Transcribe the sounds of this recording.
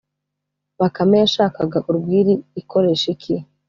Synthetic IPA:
βakamejaʃaːkaɡaʔuɾɡwiːɾiːkʰo̞ɾe̞ːʃikʰi

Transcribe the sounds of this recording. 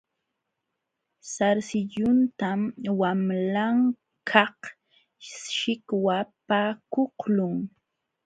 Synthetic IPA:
saɾsɪʎʊnt̪amwamlaŋ | kʰɑh | ʃɪkwapaːkohlʊŋ

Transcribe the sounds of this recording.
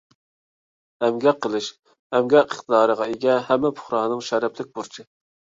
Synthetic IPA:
ɛmɡʲɛqʰːəlˠɨʃ | ɛmɡʲɛəχt̪əd̪ɑːɾəʁɑeɡʲɛhɛmːɛpʰʊ̥χɾɑɦnɨŋʃɛɾɛplɪk̚ʲbuɾt͡ʃʰɨ

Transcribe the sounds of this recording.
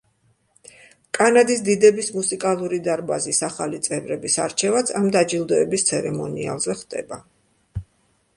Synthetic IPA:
kʼanad̪is̬d̪id̪ɛbismusikʼalˠuɾid̪aɾbazisaχalit̪sʼɛvɾɛbisa̰ɾt͡ʃʰɛvat̪sʰamd̪ad͡ʒilˠd̪ɔɛbist̪sʰɛɾɛmɔnia̰lˠzɛχd̪̥ɛ̰ba

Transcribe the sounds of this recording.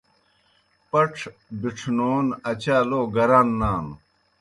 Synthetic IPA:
pɐʈ͡ʂʰbiʈ͡ʂʰnoːnɐt͡ɕaːloːɡɐɾaːnːaːm

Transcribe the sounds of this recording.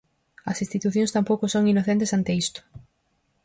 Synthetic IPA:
ɐsĩnst̪it̪uθjõŋst̪ampowkʊsoŋinoθẽnt̪esant̪eist̪ʊ̥

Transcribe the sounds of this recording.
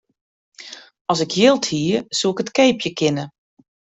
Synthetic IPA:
ɔsɪkʰjɪlˠthiːəsuɪkətkeːpjəkɪnə

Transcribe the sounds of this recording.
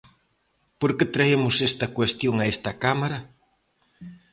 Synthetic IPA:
poɾket̪ɾaemʊsest̪ɐkwest̪joŋɐest̪ɐkamaɾɐ

